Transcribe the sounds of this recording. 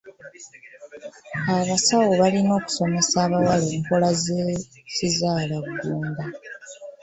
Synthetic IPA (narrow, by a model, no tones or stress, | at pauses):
aβasawoβalino̞ːku̥so̞me̞saːβawaleːŋkolaze | sizaːlaɡːuːmba